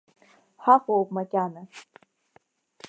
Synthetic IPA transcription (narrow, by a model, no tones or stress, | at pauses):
ħaχʷowp̚makʲʼanɨ